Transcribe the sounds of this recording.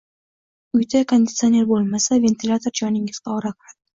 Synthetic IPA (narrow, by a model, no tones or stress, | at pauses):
ʊjt̪ʰakʰond̪ʲɪt̪sɨo̞ne̞ɾbolˠmasave̞nt̪ʰilʲat̪ʰo̞ɾd͡ʒɒnɪŋʲɪz̥q̪ɑːɾakʰʊɾad̪̥ɪ